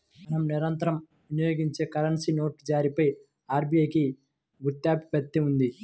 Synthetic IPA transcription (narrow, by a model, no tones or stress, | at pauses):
mɐnɐmniɾɐnt̪ɐɾɐm | ʋinijo̞ːɡiɲt͡ʃe̞ːkɐɾɐɳsino̞ːʈd͡ʒaːɾipɐj | aːɾbijɐjki | ɡut̪ːjaːpi̥pɛt̪ːeund̪i